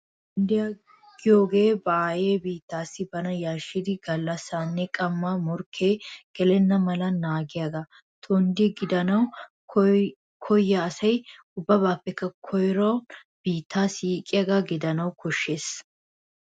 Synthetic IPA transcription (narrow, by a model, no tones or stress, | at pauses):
t̪ | ʊnd̪ɪjaɡ | ɡ̥ɪjoːɡe̞ːbaaːjeːbiːt̪ːaːsːɪbɐnɐjaːʃːɪd̪ɪɡɐlːɐsːaːnːɛkʼɐmːamɔɾkʰːeːkɛlɛnːɐmɐlɐnaːɡɪjaːɡɐ | t̪ʰɔnd̪ɪɡɪd̪ɐnɐw | kʰɔjːɐːsɐj | ʊbːɐbaːpːɛkːɐkʰɔjɾɐ | b̥iːt̪ːaːsiːkʼːɪjaːɡaɡɪd̪ɐnɐwkʰɔʃːe̞ːs